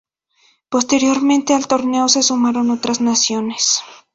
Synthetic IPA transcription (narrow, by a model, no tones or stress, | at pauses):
po̞st̪e̞ɾjo̞ɾmẽnt̪ealt̪o̞ɾne̞o̞se̞sumaɾo̞no̞t̪ɾaznasjo̞ne̞s